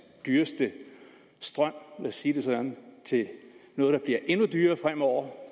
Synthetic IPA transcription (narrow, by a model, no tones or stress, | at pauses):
d̥yːɐsd̥ə | sd̥ʁɶm̰læsiːd̥e̝sɒ̽d̥ænt͡sʰe̝nɔ̽ːð̞ˠd̥ɑ̈b̥liɐʔe̝nud̥yːɐfʁam̰ɒʊ̰ɐ